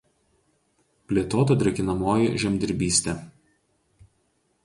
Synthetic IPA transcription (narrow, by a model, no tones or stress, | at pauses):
pʲlʲeːt̪oːt̪ɐd̪ʲɾʲɛkʲɪnɐmoːjɪʒʲɛmʲd̪ʲɪɾʲbʲiːsʲt̪ʲɛ